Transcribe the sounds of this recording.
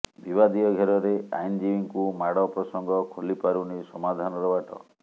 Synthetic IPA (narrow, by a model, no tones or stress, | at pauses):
bibad̪ijɔɡʱeɾɔɾea̰jnd͡ʒiiŋkumaɽɔpɾɔsɔŋɡɔkʰolipaɾunisɔmad̪ʱanɔɾɔbaʈɔ̰